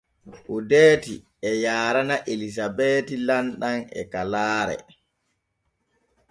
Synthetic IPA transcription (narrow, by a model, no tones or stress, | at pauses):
ʔudeːti | ɛjaːɾanaʔelis̬abeːtilanɗanɛ̰kalaːɾɛ̰